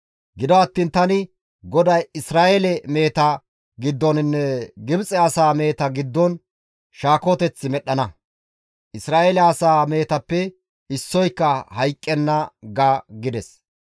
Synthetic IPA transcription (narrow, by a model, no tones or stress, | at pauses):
ɡɪd̪ɔɐt̪ːiːnt̪ɐnɪ | ɡɔd̪ɐjɪsɾaːʔelɛme̞ːt̪ɐ | ɡɪd̪ːɔnɪnːɛɡɪbt͡sʼɛɐsaːme̞ːt̪ɐɡɪd̪ːɔn | ʃaːkot̪ɛt͡sːɪmɛɗːɐnɐ | ʔɪsɾaːʔelɛɐsaːme̞ːt̪ɐpːɛ | ɪsːɔjkːɐhɐjkʼːɛnːɐɡaːɡɪd̪ɛs